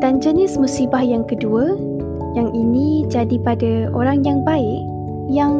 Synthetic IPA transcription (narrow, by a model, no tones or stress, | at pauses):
d̥and͡ʒənɪsmusibahjaŋkəduə | jaŋʔinĩd͡ʒadipadaoɾaŋjaŋbaɪk̚ | jaŋ